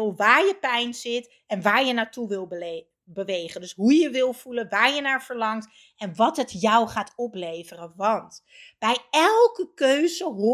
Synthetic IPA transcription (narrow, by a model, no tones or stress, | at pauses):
lˠʋaːɹjəpɛjnzɪt | ɛnʋaːɹjənaːtuʋɪlˠ | bəʋejχəndɵsɦujəʋɪlˠv̥ulənʋaːɹjənaːɹv̥əɹlɑŋt | ɛnʋɑtɦətjɔwχaːtɔplejvərəʋɑnt | b̥ɛjɛlˠkəkøɥzəɦo